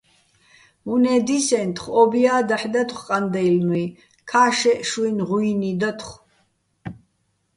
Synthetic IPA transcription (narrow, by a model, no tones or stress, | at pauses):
munɛːd̪isɛnt̪ʰχɔbiaːd̪aħd̪at̪ʰχqʼand̪ɛilmwi | kʰaːʃɛʃuinʁuinid̪at̪ʰχ